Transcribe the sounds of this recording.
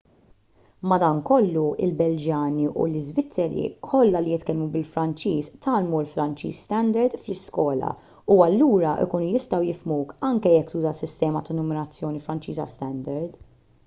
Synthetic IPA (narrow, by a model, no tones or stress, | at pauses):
mɐd̪ɐŋkɔlːuɪ̰lbɛld͡ʒjɐːniʔṵlɪzvɪt͡sːɛɾḭkʰɔlːɐlijɪt̪kɛlmubɪlfɾɐnt͡ʃiːst̪ʰɐːlmulfɾɐnt͡ʃḭːsːt̪ɛnd̪ɛɾd̪flɪskɔːlɐ̰ | uɐlːuːɾɐʔɪ̰kuːnujɪst̪ɐwjɪfmuːkɐŋkɛjɛkːt̪uːzɐsɪst̪ɛːmɐt̪ɐnɔmɪnɐt͡sːjɔːnifɾɐnt͡ʃiːzɐ̰st̪ɛnd̪ɛɾd̪